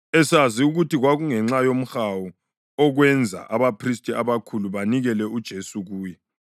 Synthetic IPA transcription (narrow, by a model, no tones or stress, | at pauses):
ɛsaziuɣutiɣwaɣuŋɛŋ͡ǁajom̩xawu | ɔɣwɛnd͡zʱa̰ʔaβapʰristʼiaβakʰuluβaniɣɛlɛud̥ʒ̥ʱesuɣuːjɛ